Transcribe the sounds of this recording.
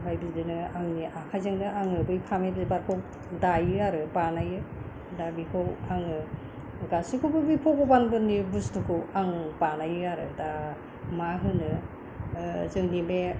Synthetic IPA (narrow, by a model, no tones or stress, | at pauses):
bajbɯdɯnɯaŋniʔakʰajzaŋdɯʔaŋɯbɯjpʰamebzebaɾkʰow | dajɯaɾɯbanajɯ | dabikʰɯwaŋɯ | ɡasikʰobɯbipʰokʰobanɡɯnibustʰukʰɯwaŋpanajɯaɾɯ̰da | maɦɯnɯ | zɯŋnibe